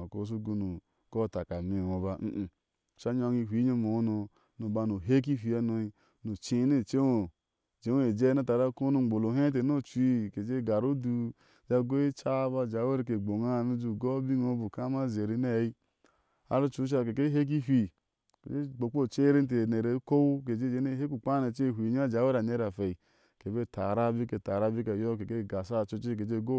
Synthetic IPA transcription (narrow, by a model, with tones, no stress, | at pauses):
a˨ko˨˦s̬u˦ɡo˦nu˨ | ko˦˨ta˨ka˨mi˦˨o˨ba˦m̩˦˨ | ʃa˦ɲ˦o˦ŋi˦˨ɦʷi˨˦ɲo˦mo˨˦no˨ | no˨ba˨no˨ɦe˦k̬i˦fi˨a˦no˦i˦ | no˨t͡ʃi˨˦ne˦˨t͡ʃe˦o˨ | d͡ʒe˨˦e˨d͡ʒe˦a˦ta˨ɾa˦ko˦nu˦˨ŋ͡mo˨lo˨ɦe˦t̬e˨no˦˨t͡ʃi˦˨ke˨d͡ʒe˦˨ɡa˨ɾo˦du˦ | d͡ʒa˧ɡo˦i˦t͡ʃa˦ba˧˨d͡ʒa˨we˦ɾi˧˨k̬e˨ɡ͡bo˨ŋa˦˨nu˦d͡ʒu˧˨ɡo˦bi˦ŋo˧˦bu˨ka˦ma˦ze˨ɾi˧ne˦˨i˦ | a̰˦ɾu˦t͡ʃu˨ɾu˦ʃ̬a˧˨ke˨ke˦ɦe˦k̬i˦ɦʷi˨ | kḛ˨d͡ʒe˦ɡ͡bo˨k͡po˦˨t͡ʃe˦ɾe˦n˦t̬e˨ne˨ɾe˨˦ko˦wke˨d͡ʒe˦d͡ʒe˧˦ne˦ɦe˦ku˦˨k͡pa˦ne˨t͡ʃe˦˨ɦʷi˨ɲa˦˨d͡ʒa˨˦we˦ɾa˨ne˦ɾa˨fe˨i˨ | ke˨be˦˨ta˨ɾa˦bi˦ke˨ta˨ɾa˧bi˦ke˨jo˦ke˨ke˦˨ɡa˨sa˦˨t͡ʃo˧˦t͡ʃe˦k̬e˨d͡ʒe˦˨ɡo˦